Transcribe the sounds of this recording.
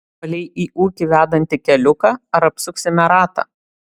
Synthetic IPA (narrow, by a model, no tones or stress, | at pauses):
ɐlʲɛɪʔiːʔuːkʲiʋʲæːd̪ɐnʲt̪ʲɪkʲɛlʲʊkɑːɐɾɐpsʊksʲɪmʲɛɾɑːt̪ɑ̰ː